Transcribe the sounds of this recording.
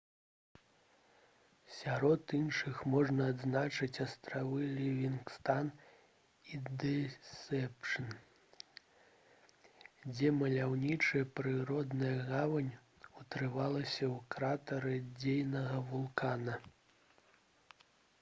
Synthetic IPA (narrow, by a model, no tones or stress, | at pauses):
sʲaɾɔt̪inʂɨxmɔʐnɐːd̪znat͡ʂɨt͡sʲɐst̪ɾavɨlʲivʲinkst̪an | id̪ɛsɛpʂɨn | d͡zʲɛmɐlʲawnʲit͡ʂɨjɐpɾɨɾɔd̪nɐjɐɣavɐnʲ | ut̪ɾɨvalˠɐsʲɐwkɾat̪ɐɾɨd͡zʲejnɐɣɐvulˠkanɐ